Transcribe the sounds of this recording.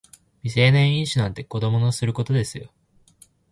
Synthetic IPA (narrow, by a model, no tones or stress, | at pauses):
mʲise̞ːnẽɰ̃ĩɰ̃ɕinãnt̪e̞ko̞d̪o̞mo̞no̞sɨɾɯ̟ko̞t̪o̞d̪e̞sɨjo̞̰